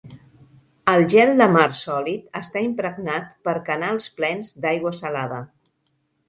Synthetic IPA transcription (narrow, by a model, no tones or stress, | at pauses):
əlˠʒɛlˠd̪əmaɾsɔlit̪əst̪aimpɾəɡnat̪pəɾkənalˠsplɛnzd̪ajɣwəsəlaðə